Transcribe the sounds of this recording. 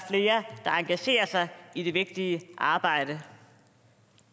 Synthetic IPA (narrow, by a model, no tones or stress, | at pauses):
fle̝ːɐd̥ɑ̈ɑ̈ŋɡ̥æɕe̝̰ːɐsɑ̈ɪide̝ʋe̝ɡ̥̚d̥iəʔɑ̈ːb̥ɑ̈ɪ̰ɾ̥ə